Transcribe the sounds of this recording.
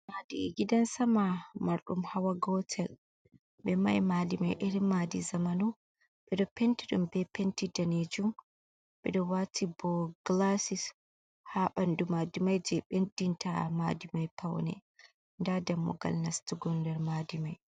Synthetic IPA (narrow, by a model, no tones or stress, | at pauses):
madiɡidansamamaɾɗumhawaɡɔtʰɛl | bɛma̰jmaːdima̰jʔeɾimːadizamanu | ɓɛdɔpentiɗumbɛpentidaned͡ʒum | bɛ̰ɗɔwatʰibɔɡ̥lasis | haɓandumaːdimajd͡ʒɛɓendintʰa̰ma̰ːdimajpʰawnɛ̰ | ndadamːɔ̰ɡa̰lnastuɡɔndɛɾmaːdimaj